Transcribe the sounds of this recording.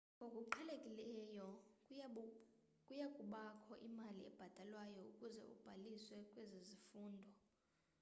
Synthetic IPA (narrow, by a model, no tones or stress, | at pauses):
ŋɡʱokʼuǃʰɛlekʼilɛjɔ | kʼujakʼuɓakʰɔʔimaliɛ̰b̥ʱad̥ʱalwajɔukʼuzɛ̰ʔṵb̥ʱaliswɛkʼwezezifuːndʱɔ